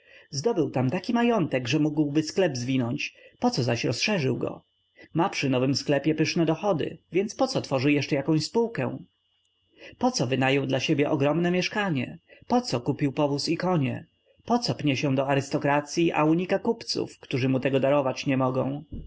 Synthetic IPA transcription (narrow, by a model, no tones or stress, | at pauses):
zd̪ɔbɘwt̪amt̪akʲimajɔnt̪ɛɡʐɛmuɡwbɘsklɛbzvʲinɔɲt͡ɕpɔt̪sɔzaɕɾɔsʂɛʐɘwɡɔ̰ | mapʂɘnɔvɘmsklɛpʲjɛpɘʂnɛd̪ɔxɔd̪ɘ̰vʲjɛnt̪spɔt̪sɔt̪fɔʐɘjɛʂt͡ʂɛjakɔ̃w̃ɕspuwkɛ̰w̃ | pɔt̪sɔvɘnajɔwd̪laɕebʲjɛʔɔɡɾɔmnɛmʲjɛʂkaɲɛpɔt̪sɔkupʲiwpɔvusikɔɲɛ̰ | pɔt̪sɔpɲɛɕɛ̃d̪ɔaɾɘst̪ɔkɾat̪sʲjiʔa̰uɲikakupt̪sṵfkt̪uʐɘmut̪ɛɡɔd̪aɾɔvat͡ɕɲɛmɔɡɔ̰̃w̃